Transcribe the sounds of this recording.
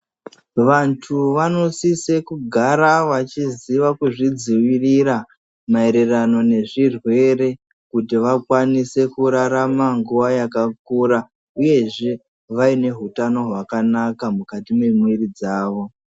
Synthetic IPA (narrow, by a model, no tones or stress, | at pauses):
ʋantʰuʋano̞sise̞kuɡʱaɾaʋat͡ʃiziʋakuʐid͡ziwiriɾa | mae̞ɾe̞rano̞ne̞ʐirwe̞re̞ | kutiʋakwanise̞kuɾaɾamaŋɡuʋajakak̚uɾa | uje̞ʐe̞ | ʋaine̞ɦutano̞ɦwakanakamukatime̞mwerid͡zaːʋo̞